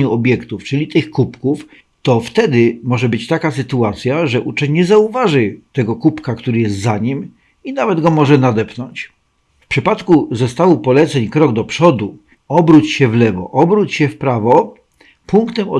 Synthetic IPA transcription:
uɔbʲjɛkt̪uft͡ʂɘlʲit̪ɘxkupkuf | t̪ɔft̪ɛd̪ɘmɔʐɛbɘt͡ɕt̪akasɘt̪uat̪sʲjaʐɛʔut͡ʂɛɲɲɛzauvaʐɘt̪ɛɡɔkupkakt̪uɾɘjɛst̪zaɲim | inavɛd̪ɡɔmɔʐɛnad̪ɛpnɔɲt͡ɕ | fpʂɘpat̪kuzɔst̪awupɔlɛt̪sɛɲkɾɔɡd̪ɔpʂɔd̪u | ɔbɾut͡ɕɕɛvlɛvɔ̰ʔɔbɾut͡ɕɕɛfpɾavɔ | puŋkt̪ɛmɔ̰

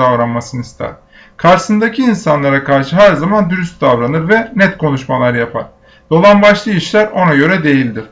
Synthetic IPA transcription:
avɾanmasɯnist̪ʰæ̰ɾ̥ | kʰaɾsɯnd̪acʰiːnsanlˠaɾakʰaɾʃɯɦæɾzamand̪yɾyst̪̚d̪avɾanɯɾvɛnɛt̪kʰo̞nuʃmalˠaɾjapʰa̰ɾ̥ | d̪̥o̞lˠanbaʃlˠɯiʃlʲæɾo̞naɟø̞ɾɛd̪e̞jilʲd̪iɾ̝̥

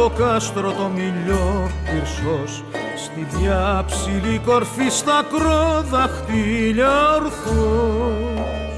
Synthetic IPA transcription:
okɐst̪ɾot̪omiʎopiɾsos | st̪iðjɐpsiliko̞ɾfist̪ɐkɾoðɐxt̪iʎɐɾxo

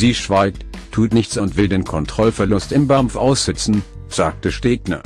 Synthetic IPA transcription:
ziːʃv̥aɪk̚ttʰːuːtnɪçt͡sʊntv̥ɪldeːnkʰɔntʁ̥ɔlfɛɐlʊstɪmbamfʔaʊsz̥ɛt͡sn̩ | z̥aːk̚təʃteːknɐ̰

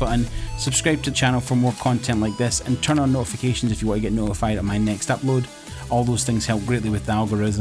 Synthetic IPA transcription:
ʌʔə̃nsəb̥skɹaɪb̚tʰəðət͡ʃʰãnəlˠfə˞moɹkʰɔ̃ntʰɛ̃nʔlˠaɪk̚ðɪsə̰̃ntʰɜ˞nə̃nːoʔɪfɪkʰeʃə̃n̩zɪfjəwɔ̃nʔəɡɛʔnoʔɪfaɪdən̩maɪnɛkstʌplˠod | ɔlˠðoz̥θɪ̃ŋz̥hɛlˠp̚ɡ̥ɹeʔlˠiwɪðialˠɡəɹɪz̃

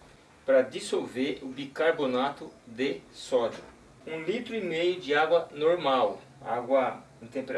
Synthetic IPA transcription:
pɾɐd̪isolveɾʊbikaɾbonat̪ʊd̪esɔd͡ʒʊ̰ | ũlit̪ɾʊimejʊd͡ʒɪaɡwɐnoɾmaw | a̰ɡwɐĩt̪ẽmpeɾ

